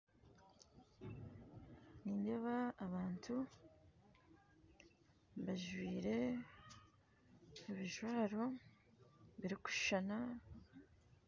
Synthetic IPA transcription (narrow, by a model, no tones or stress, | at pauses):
niːnde̞βaːβaːntʰu | βaʒwiːɾe̞ | uβiʒwaːɾo̞ | βiɾiku̥ʃana